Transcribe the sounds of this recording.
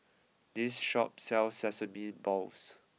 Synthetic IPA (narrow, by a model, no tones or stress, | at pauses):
disʃɔ̰p̚sɛlsɛsəmĩbɔls